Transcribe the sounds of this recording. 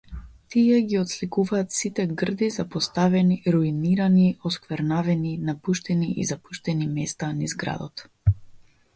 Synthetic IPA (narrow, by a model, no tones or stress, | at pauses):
t̪iɛɡiɔt̪slikuvaːt̪sit̪ɛɡr̩d̪izapɔst̪avɛniɾuiniɾaniɔskvɛɾnavɛninapuʃt̪ɛniʔḭzapuʃt̪ɛnimɛst̪anizɡɾa̰d̪ɔt̪